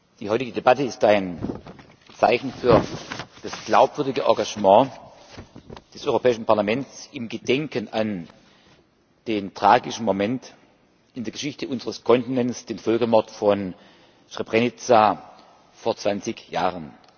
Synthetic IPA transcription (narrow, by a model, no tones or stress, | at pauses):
d̥iːhɔʏtɪɡədebatəɪstaɪn | t͡saɪçn̩fyːɐd̥asɡ̥laʊpv̥ʏɐdɪɡəʔɔ̰ɐɡaʒmɑ̃ː | d̥ɛsʔɔʏʁopʰɛːɪʃn̩paɐlamɛntt͡sɪmɡədɛŋkənʔan | d̥eːntʁ̥aːɡɪʃn̩momɛnt | ɪndeɐɡəʃɪçtəʔʊnzəʁəskʰɔntɪnɛnsd̥eːnfɔlkɐmɔɐtfɔn | ʃʁ̥ɛpʁenɪt͡sa | foːɐt͡sv̥ant͡sɪçja̰ːʁən